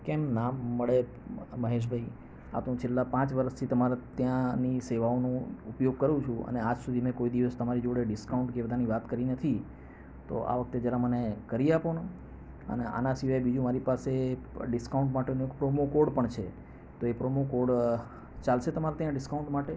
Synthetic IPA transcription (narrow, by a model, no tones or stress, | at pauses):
kemnaːəɭe | məɦeʃ̬bʱai | a̰t̪ũt͡ʃʰelːapãt͡ʃʋəɾəst̪ʰit̪əmaɾt̪jãniseʋaonũupjoɡ̚kəɾũt͡ʃʰũə̰nead͡ʒsud̪ʱimẽkoid̪iʋəst̪əmaɾid͡ʒoɽeɖɪskauɳʈkebəd̪ʱaniʋat̪kəɾinət̪ʰi | t̪o̰ʔa̰ʋək̚t̪ed͡ʒjaɾamənekəɾiapono | ə̰neʔa̰nasiʋajbid͡ʒũmaɾipaseɖɪskauɳʈmaʈenũekpɾomokoɾɖpəɳt͡ʃʰe | t̪oepɾomokoɾɽ | t͡ʃalʃet̪əmaɾat̪jãɖɪskaũɳʈmaʈe